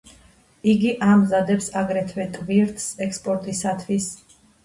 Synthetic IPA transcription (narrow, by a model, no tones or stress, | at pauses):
iɡiʔamzad̪ɛpsaɡɾɛt̪ʰvɛt̪ʼviɾt̪ʰsɛkspʼɔɾt̪ʼisat̪ʰwis